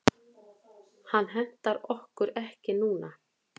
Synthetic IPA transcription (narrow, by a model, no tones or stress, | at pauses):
hanːɦɛn̥t̪aɾɔhkʏɾɛhcɪnuːna